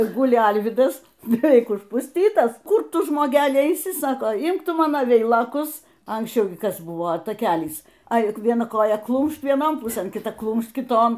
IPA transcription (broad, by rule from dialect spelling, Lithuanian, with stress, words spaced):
ɪr ˈɡʊlʲɪ ˈɐlʲʋʲiːdɐs bʲɛˈʋʲɛɪk ʊʃpʊsʲˈtʲiːtɐs ˈkʊr ˈtʊ ʒmoːˈɡʲæːlʲɪ ɛɪˈsʲɪ ˈsɑːkoː ˈɪmk ˈtʊ ˈmɑːnoː ˈʋʲɛɪlˠoːkʊs ɐŋksʲˈt͡ʃʲɛʊ ɡʲɪ ˈkɐs ˈbʊʋoː tɐˈkʲæːlʲiːs ˈɐɪ ʋʲiɛˈnɐ ˈkoːjɛ ˈklˠuːmʃt ʋʲiɛˈnoːn ˈpʊsɘn kʲɪˈtɐ ˈklˠuːmʃt kʲɪˈtoːn